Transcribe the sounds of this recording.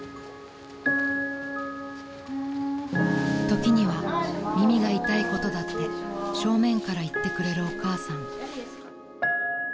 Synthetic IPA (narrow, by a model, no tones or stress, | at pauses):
t̪o̞kʲiɲ̟iβamʲimʲiɡait̪aiko̞t̪o̞d̪at̪ːe̞ɕo̞ːmẽ̞ŋkaɾait̪ːe̞kɯ̟ɾe̞ɾɯ̟o̞kaːsãŋ